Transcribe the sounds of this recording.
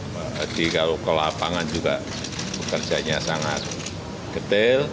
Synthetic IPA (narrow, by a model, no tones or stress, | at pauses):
dikalokəlapaŋand͡ʒuɡa | bəkərd͡ʒaɲasaŋat̪̚ | kət̪ɪl